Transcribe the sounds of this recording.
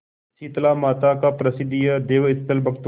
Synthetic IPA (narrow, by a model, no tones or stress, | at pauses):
t͡ʃiːt̪laːmaːt̪akapɾəsɪd̪ijəd̪eːʋɪt̪ːəlbɐɡt̪